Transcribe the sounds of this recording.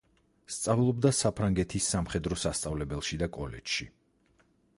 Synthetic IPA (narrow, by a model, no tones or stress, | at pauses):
st̪sʼavlˠɔbd̪asapʰɾaŋɡɛt̪ʰisːamχɛd̪ɾɔsast̪sʼavlɛbɛlˠʃid̪akʼɔlɛ̰d͡ʒʃi